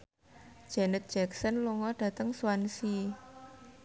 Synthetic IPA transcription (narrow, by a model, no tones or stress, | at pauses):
d̥d͡ʒ̥ɛnət̪̚d̥d͡ʒ̥ɛksənluŋɔɖ̥a̤t̪əŋsuwansi